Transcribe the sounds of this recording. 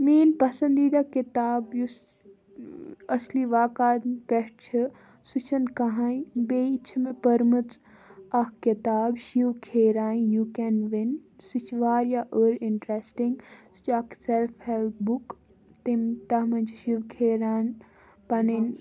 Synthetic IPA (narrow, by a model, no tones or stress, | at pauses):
miːnpɐsɐ̃nd̪iːd̪akit̪aːbjus | ɐsliʋaːkaːd̪peʂʈt͡ʃʰi | sut͡ʃʰɐnkɐɦãĩbeːit͡ʃʰmẽpɐɾmɨt͡s | ɐkkit̪aːbʃiʋkʰeːɾaːjjukenʋinsit͡ʃʰʋaːɾjaʔəːɾiɳʈɾesʈĩŋɡst͡ʃaːkselpʰhelt̪ʰbuk | t̪imt̪ɐɦmɐnt͡ʃʰʃiʋkʰeːɾaːn | pɐnin